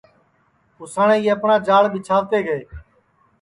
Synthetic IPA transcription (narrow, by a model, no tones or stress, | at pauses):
ʊsaːɳẽːieːəpɳãːd͡ʒaːɭɓɪt͡ʃʰaːt̪eːɡəeː